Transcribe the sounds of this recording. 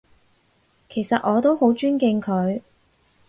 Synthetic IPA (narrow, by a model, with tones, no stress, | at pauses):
kʰe˨˩jsɐ˨t̚ʔɔː˨˧t̪o˥who˨˥wt͡ʃyː˥nkɪ˧ŋkʰɵ˨˧ɥ